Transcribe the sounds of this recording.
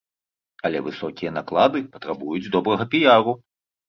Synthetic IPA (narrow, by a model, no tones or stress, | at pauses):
ɐlʲɛ̰vɨsɔkʲijɛɐnaklˠad̪ɨpɐt̪ɾabujud͡zʲd̪ɔbɾɐɣɐpʲijaɾu